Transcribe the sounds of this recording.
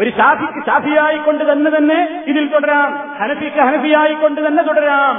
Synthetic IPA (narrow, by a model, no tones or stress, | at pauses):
oɾuɕaːpʰikʲːɨɕaːpʰijaːjikːoɳɖɨt̪ɐnːet̪ɐnːe | iðilt̪ɔɽɐɾaːm | hɐnɐfikʲːɨɦɐnɐfijaːjikːoɳɖɨt̪ɐnːet̪ɔɽɐɾaːm